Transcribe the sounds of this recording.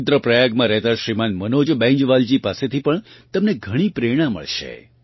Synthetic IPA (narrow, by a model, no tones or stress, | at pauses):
t̪ɾəpɾəjaɡmãɾɛɦt̪aʃɾimanmənod͡ʒbɛ̃ɲd͡ʒʋald͡ʒipaset̪ʰipəɳt̪əmneɡʱəɽ̃ipɾeɽ̃ãmə̰ɭʃḛ